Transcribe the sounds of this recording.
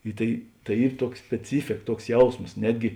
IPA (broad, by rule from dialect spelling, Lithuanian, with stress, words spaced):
ɪ ˈtɐɪ tɐɪ ˈiːr ˈtuɔks sʲpʲɛˈt͡sʲiːfʲeːk ˈtuɔks ˈjɛʊsmoːs ˈnʲæːdʲɡʲɪ